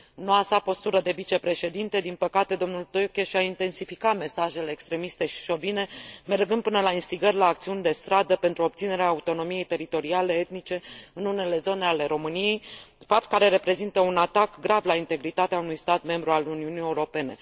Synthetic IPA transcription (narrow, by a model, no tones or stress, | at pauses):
ɨnːoasapo̞st̪uɾəd̪e̞vit͡ʃe̞pɾe̞ʃe̞d̪int̪e̞d̪inpəkat̪e̞d̪o̞mnult̪okʲeʃiaint̪e̞nsifikame̞saʒe̞leːkst̪ɾe̞mist̪e̞ʃi̥ʃo̞vine̞me̞rɡɨnd̪̚pɨnəlainst̪iɡərʲlaːkt̪siunʲd̪e̞st̪ɾad̪əpe̞nt̪ɾuop̚t̪sine̞ɾeaːut̪o̞no̞mije̞jt̪e̞ɾit̪o̞ɾiale̞et̪nit͡ʃe̞ɨnune̞le̞zo̞ne̞ale̞ɾo̞mɨnije̞jfap̚t̪̚kaɾe̞ɾe̞pɾe̞zint̪əunat̪akɡɾavlaint̪e̞ɡɾit̪at̪eaunujst̪at̪me̞mbɾualuniunije̞uɾo̞pe̞ne̞̰